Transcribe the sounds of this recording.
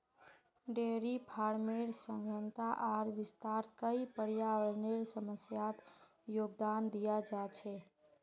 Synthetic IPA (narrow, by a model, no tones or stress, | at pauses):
ɖeɾipʰaɾmeɾsə̃ŋɡʱjənt̪aʔaɾʋɪst̪aɾkəipəɽjaʋəɭneɾsəməsjat̪ | joɡd̪and̪ijad͡ʒat͡ʃʰɛ